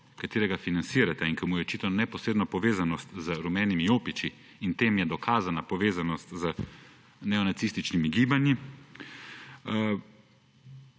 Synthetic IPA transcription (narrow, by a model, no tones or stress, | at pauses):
kat̪eːɾɛɡafinansiːɾat̪ɛiŋkɐmujɛɔt͡ʃiːt̪ɔnɛpɔsɾeːd̪nɔpɔʋeːzanɔst̪zəɾumɛːnimijoːpit͡ʃi | int̪eːmjɛd̪ɔkʰaːzanapɔʋeːzanɔst̪zə | nɛɔnat̪siːst̪it͡ʃnimiɡiːbanji